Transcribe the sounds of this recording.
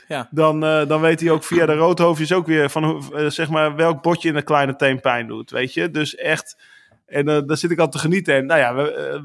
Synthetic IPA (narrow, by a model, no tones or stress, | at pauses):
dɔndɔnʋejtiowkfiadərowtɦowfjəsowkʋɪərfɔnusɛxmaːrʋɛlˠk̚bɔtjəɪnəklɛjnətejmpɛjndṵtʋḛjtjədøsɛxt | ɛndɔsɪtɪkɔlˠtəχənitəɛnnojaʋə